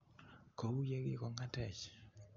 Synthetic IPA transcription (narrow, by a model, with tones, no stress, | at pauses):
ko˨wu˦je˦ɡɪ˨kɔ˨ŋa˦tɛ˨t͡ʃ